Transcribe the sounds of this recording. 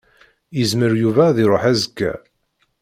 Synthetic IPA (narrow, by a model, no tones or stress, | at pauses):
jəzməɾjuvæðiɾˤoħæzəkːæ̰